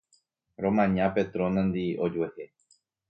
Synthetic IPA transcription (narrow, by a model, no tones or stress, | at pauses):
ɾõ̞mãɲãpe̞t̪ɾõnãnd̪io̞d͡ʒuehe